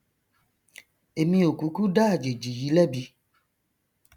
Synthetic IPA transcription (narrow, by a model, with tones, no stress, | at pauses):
e˨mĩ˧o˨ku˨˦ku˦ɖa˦˨d͡ʒe˨d͡ʒi˨ji˨˦lɛ˦bi˧